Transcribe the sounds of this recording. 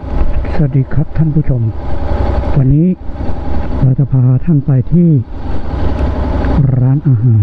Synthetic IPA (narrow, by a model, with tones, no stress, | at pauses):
sa˧diː˧˩kʰa˦˥k̚t̪ʰa˥˩npʰuː˥˩t͡ɕʰo˧m | wa˧nːiː˦˥ | ɾaː˧˩wt͡ɕa˨˧˩pʰaː˧ɾa˦˧t̪ʰa˥˩npa˧jt̪ʰiː˥˩ | ɾaː˦˥nʔaː˧ɦaː˨˩˦n